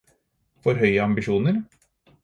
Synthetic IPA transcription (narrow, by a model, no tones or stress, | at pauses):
fɔɾɦœʏəɑmbɪʃuːnəɾ